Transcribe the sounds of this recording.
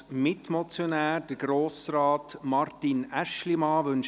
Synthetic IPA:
mɪtmɔt͡sjonæːɾd̥əɾɡɾoːsɾɑːtmɑɾtinæʃlimɑːʋɵnʃ

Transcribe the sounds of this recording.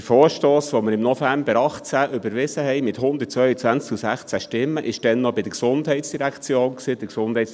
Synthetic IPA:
əfoːɾʃtoːsʋɔməɾɪmnɔfæmbəɾɑχt͡sæʔʏbəɾʋɪsəɦɛjmɪt̪ɦʊnd̪əɾtt͡sʋœɥət͡sʋænt͡skusæχt͡sæʃtɪmːəʔɪʃd̥ɛnːɔbid̪əksʊnd̪ɦɛɪtsd̥iɾækt͡sjoːnksiːd̥̪əksʊnd̥hɛɪs

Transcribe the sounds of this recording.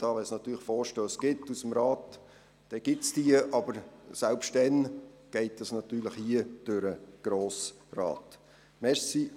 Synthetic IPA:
d̥ɑːʋɛnsnɑt̪yːɾləχfɔːɾʃtøːsɡ̥ɪtːusəmɾɑːt | d̥ɛɡ̥ɪtsd̥iəʔɑbəɾsælpʃtdɛn | ɡ̥ɛɪtəsnɑt̪yːləχhiəd̥øɾəɡ̥ɾoːs | rɑ̰ːt | mɛɾsi

